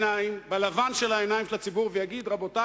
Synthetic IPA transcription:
naimbalavanʃelaenajimʃlat͡sibuʁvejaɡid̪ʁabo̞ta

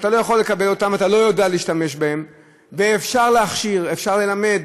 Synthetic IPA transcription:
t̪alo̞jaχo̞lːe̞kabe̞lo̞t̪amat̪alo̞jod̪ealeiʃtame̞ʃbahe̞m | veːfʃaʁleaχʃiʁefʃaʁle̞lame̞d̪

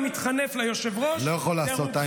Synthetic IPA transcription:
mit̪χane̞flajoʃevʁolojaχolːaːsot̪a

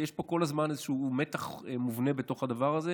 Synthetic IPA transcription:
jeʃpo̞ko̞lazmanezeʃuːumet̪aχemuvne̞bet̪o̞χhad̪avaʁaze

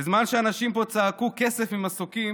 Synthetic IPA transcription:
ezmanʃeanaʃimpo̞t͡saːkuke̞sefimasokim

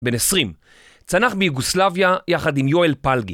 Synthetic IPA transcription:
benesʁim | t͡sanaχbejuɡuslavjajaχad̪imjoelpalɡi

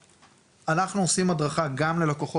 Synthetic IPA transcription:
ʔanaχnuosimhadʁaχaɡamle̞lakoχo

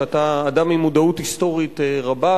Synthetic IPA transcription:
ataːdamimudauthisto̞ʁiteʁaba

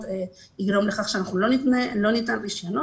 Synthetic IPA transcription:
ve | iɡɾo̞mleχaχʃeanaχnulo̞nit̪nelo̞nit̪anriʃjono

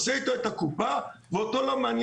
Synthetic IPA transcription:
seit̪oet̪akupaveot̪olomaːnj

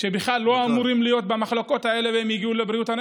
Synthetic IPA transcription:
ʃebiχlalːo̞amuʁimlijo̞t̪̚bamaχlo̞ko̞t̪ae̞le̞veemjiɡiulebʁiut̪han

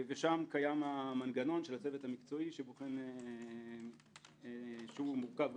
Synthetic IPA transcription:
veʃamkajamamanɡano̞nʃelat͡se̞vet̪hamikt͡so̞iʃeboχene | ʃeumuʁkav

